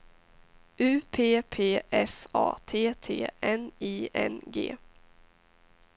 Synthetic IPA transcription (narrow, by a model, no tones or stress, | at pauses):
ʉ̟ːpʰeːpʰeːʔɛfɑ̰ːt̪ʰeːt̪ʰḛːɛniːɛ̰nɡḛː